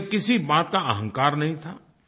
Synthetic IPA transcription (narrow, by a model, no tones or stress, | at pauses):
kɪsibaːt̪kaɐɦə̃ŋkaːɾnɐɦĩt̪ʰaː